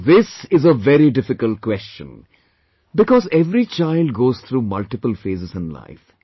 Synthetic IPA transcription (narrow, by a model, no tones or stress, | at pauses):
ðɪsɪzəʋɛɾiɖɪfɪkəlʈ̚kwɛst͡ʃə̰̃n | bɪkɔːzɛʋɾit͡ʃaɪlɖ̚ɡoːzt̪ʰɾuːmʌlʈɪpəlfeːzɪzɪ̃nla̰ɪf